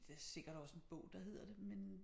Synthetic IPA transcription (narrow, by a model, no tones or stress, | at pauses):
d̥eæse̝ɡ̥ɐɾ̥ɒ̽se̝nb̥ɔʊ̰d̥ɑ̈he̝ð̞̰ˠɐd̥e̝men